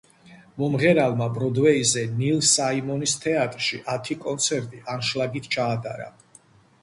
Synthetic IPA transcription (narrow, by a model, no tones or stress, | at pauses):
mɔmʁɛɾalˠmabɾɔd̪wɛizɛnilsaimɔnist̪ʰɛat̪ʼɾʃiʔat̪ʰikʼɔnt̪sʰɛɾt̪ʼiʔanʃlaɡit̪ʰt͡ʃʰaːd̪ʼa̰ɾa̰